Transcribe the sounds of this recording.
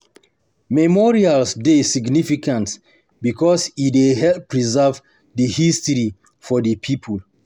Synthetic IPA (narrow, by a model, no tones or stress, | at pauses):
mɛmɔɹialsdesiɡnifikʰãnt | bikʰɔsideɦɛpɹizɛv | dəhistɹi | fɔdəpʰipʰul